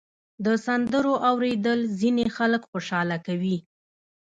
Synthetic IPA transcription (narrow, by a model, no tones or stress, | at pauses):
d̪əsand̪əɾoʔawɾed̪əlzinexaləkxoʃɑlakawi